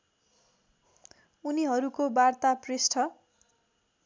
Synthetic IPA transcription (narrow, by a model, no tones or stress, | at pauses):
uniɦʌɾukobart̪apresʈʰʌ